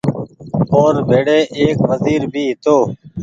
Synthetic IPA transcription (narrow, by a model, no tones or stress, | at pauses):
oːɾbʱeːɽeːʔeːkʋəziːɾbʱiːɦɪt̪oː